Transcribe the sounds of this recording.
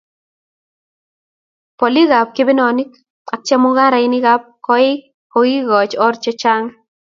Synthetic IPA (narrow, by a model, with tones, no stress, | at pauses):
pɔ˨li˦ɣa˨p̚ke˦bɪ˦nɔ˨ni˦k | a˨k̚t͡ʃɛ˦mʊ˦ɡa˦ɾa˨ɪ˦nɪ˦ɣap̚kɔ˦ɪ˦ | kɔ˨i˦ɣɔ˨t͡ʃɔ˦rt͡ʃɛ˦t͡ʃa˦ŋ